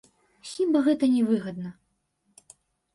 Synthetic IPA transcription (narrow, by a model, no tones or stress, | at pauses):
sʲibɐɣɛt̪ɐnʲɛvɨɣɐd̪nɐ